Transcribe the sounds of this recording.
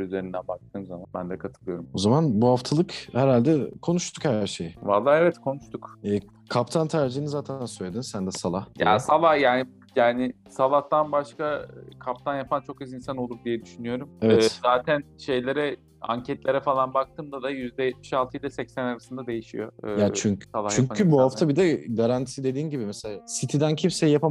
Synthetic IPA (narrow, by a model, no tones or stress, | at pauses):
yze̞ɾind̪ænbak̚t̪ʰɯːmzamanbænd̪ɛkʰat̪ʰɯlˠɯjo̞ɾumo̞zamanbuhaft̪ʰalˠɯkhæɾhalʲd̪ɛkʰo̞nuʃt̪ʰukhæɾʃejɪva̰lˠːaːevɛt̪kʰo̞nuʃt̪ʰukɛː | kʰapt̪ʰant̪ʰæɾd͡ʒinizaːt̪ʰænsøjlʲed̪insænd̪ɛsalˠahja̰salˠajaːnɪ | jaːnɪ | salˠaht̪anbaʃkakʰap̚t̪ʰanjapʰant͡ʃʰo̞kɯzinsano̞lˠuɾd̪ijɛd̪yʃynyjo̞ɾumɛvɛːzaːt̪ʰænʃe̞jlʲe̞ɾɛ | a̰ɲcʰɛt̪lʲe̞ɾɛfalˠanbak̚t̪ʰɯːmd̪ad̪ajyzd̪ɛjɛt̪̚miʃalˠt̪ɯilʲɛsɛcsænaɾasɯnd̪ad̪e̞jiʃḭjo̞̰ːjat͡ʃʰyɲsalˠaht͡ʃyɲcʰybuhaft̪ʰabid̪ɛɡaɾant̪ʰid̪e̞d̪iːnɟibimɛselaːsit̪ʰid̪æncʰimsɛjjapʰa